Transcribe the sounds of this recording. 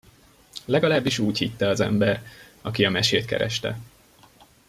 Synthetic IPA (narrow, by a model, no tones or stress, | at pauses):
lɛɡɒlaːbːiʃuːchit̪ːɛɒzɛ̰mbɛrɒkiɒmɛʃeːt̪̚kɛ̰ɾɛ̰ʃt̪ɛ̰